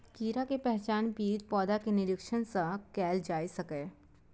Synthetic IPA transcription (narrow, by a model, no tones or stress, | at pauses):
kiːɾakepɛɦt͡ʃaːnpiːd̪pɔːd̪akenɪɾɪkʃənsakɛːld͡ʒaːisɐkeː